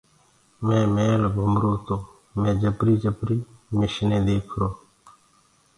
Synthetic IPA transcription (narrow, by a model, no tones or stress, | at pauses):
mẽːmeːlɡʱʊmɾoːt̪oː | mẽːd͡ʒəpɾiːd͡ʒəpɾiːmɪʃnẽːd̪eːkʰɾoː